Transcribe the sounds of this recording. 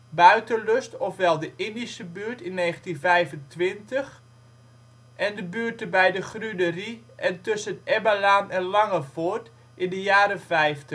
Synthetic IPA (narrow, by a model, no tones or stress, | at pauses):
bœɥtəløstɔfʋɛlˠdəʔɪndisəbyːɹtɪnːeːxəntinvɛjvəntʋɪntəx | ʔɛndəbyːərtəbɛjdəχrydəri | ʔɛntɵsənɛbalaːnɛnlɑŋəfort | ʔɪndəjaːɾəfɛjftə